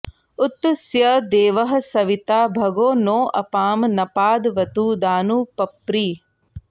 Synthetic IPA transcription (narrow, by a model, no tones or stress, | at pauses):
ut̪ːsjɐd̪eːʋɐɦɐ̆sɐʋit̪aːbʱɐɡoːnoːʔɐpaːmnɐpaːd̪ʋɐt̪uːd̪aːnuːpɐpɾiː